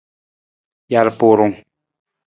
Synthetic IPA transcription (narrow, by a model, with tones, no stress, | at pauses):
ja˨ɾpo˨ɾʊ˨ŋ